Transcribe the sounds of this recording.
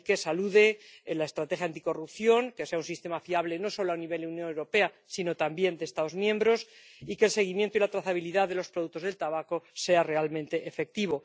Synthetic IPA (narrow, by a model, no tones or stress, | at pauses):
ke̞saluðe̞lae̞st̪ɾat̪e̞xjant̪i̥ko̞rupθjo̞ŋke̞se̞aunsist̪e̞mafiaβle̞no̞so̞loaniβe̞ldeunjonewɾo̞pe̞a | sino̞t̪ambje̞nd̪est̪aðo̞zmjẽ̞mbɾo̞s | ike̞lse̞ɣ̞imjent̪oilat̪ɾaθaβ̞iliðaððe̞lo̞spɾo̞ðuk̚t̪oðe̞lt̪aβako̞se̞are̞almẽnt̪e̞ʔefe̞k̚t̪iβo̞